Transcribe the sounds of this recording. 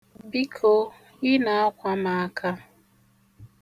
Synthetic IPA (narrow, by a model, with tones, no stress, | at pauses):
bi˦kʰo˦ | ɪ˦na˨a˦kʷa˦ma˨a˨kʰa˦